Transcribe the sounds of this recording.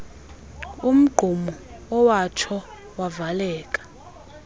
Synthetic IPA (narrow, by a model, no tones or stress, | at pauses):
um̩ɡ͡ǃ̥ʱumɔɔwat͡ʃʰɔ | wavalɛːkʼḁ